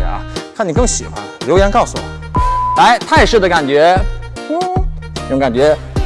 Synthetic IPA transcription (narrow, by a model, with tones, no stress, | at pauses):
a̰˧˦kʰa˥˩ni˨˩k̬ɤ˥˩ŋɕi˨˩xwa̰˧˥nljo˧˥jɛ˧˥nkɑ˥˩ʊsu˨˩wɔ̰˨˩˦la˧˥ɪt̪ʰa˥˩jʂɻ̩˥˩d̪ə˩ka˨˩nt͡ɕɥɛ˧˥˩ | ʊ˧˥ŋka˨˩nt͡ɕɥɛ˧˥